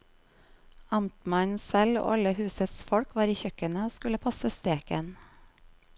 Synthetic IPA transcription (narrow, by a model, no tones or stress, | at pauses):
ɑmt̪mɑnsɛlo̰ːɑləhʉːsəsfɔɽkʋɑːɾiːçœkənəoːskʉləpʰɑsəst̪eːkən